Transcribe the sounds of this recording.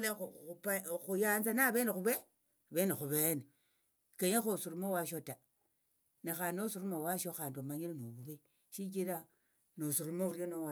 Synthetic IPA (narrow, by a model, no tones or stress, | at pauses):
leupxujanzanaβenexuβe | βenexuβene | keɲexosuɾumowaʃota | nexanosuɾumowaʃoxandomaɲilnoβuβe | ʃik̬iɾa | nosuɾumoɾjonowa